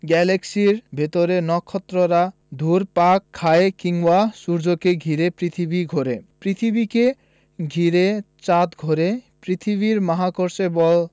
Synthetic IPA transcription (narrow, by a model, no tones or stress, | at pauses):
ɡɛleksiɾbʱet̪oɾenɔkʰːɔt̪ːɾoɾa | d̪ʱuɾpakʰːaekiŋwasuɾd͡ʑokeɡʱiɾepɾit̪ʰibiɡʱɔɾepɾit̪ʰibike | ɡʱiɾe | t͡ɕat̪ɡʱɔɾepɾit̪ʰiβiɾmaɦakoɾsebɔl